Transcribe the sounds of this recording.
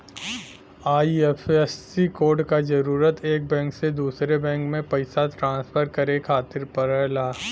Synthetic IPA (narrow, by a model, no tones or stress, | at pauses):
aːiɛfɛsːikoːɾɖkad͡ʒɐɾuːɾət̪eːk̚bɛ̃ːŋksed̪uːsɾebɛ̃ːŋkmẽpɐɪsat̪ɾãːnspʰəɾkɐɾekʰaːt̪ɪɾpɐɾəɦlaː